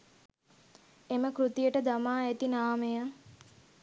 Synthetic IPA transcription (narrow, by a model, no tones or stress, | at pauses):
eməkɾut̪ijəʈəd̪amaːet̪inaːmejə